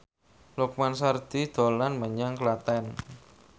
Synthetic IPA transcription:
luk̚mansard̪̥i̤d̪̥o̤lanməɲaŋklat̪ɛn

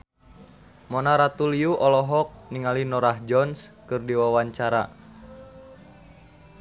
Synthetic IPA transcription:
mɔnaɾat̪uliuʔɔlɔɦɔk̚niŋalinɔɾahd͡ʒɔnskɨrdiwawaɲt͡ʃaɾa̰

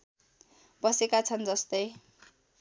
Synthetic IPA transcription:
bʌsekat͡sʰʌnd͡zʌst̪ʌj

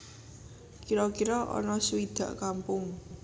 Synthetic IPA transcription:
kiɾɔkiɾɔʔɔ̰nɔsuwid̪̥ä̤̰ʔkampʊŋ

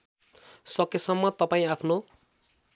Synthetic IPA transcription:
sʌkesʌmːʌt̪ʌpaĩapʰno

